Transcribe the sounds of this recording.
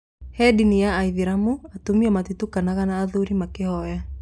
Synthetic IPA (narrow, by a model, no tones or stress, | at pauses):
hɛdinijaːiðiɾamuatumiɔmat̪itukanaɣanaːðuɾimakehɔja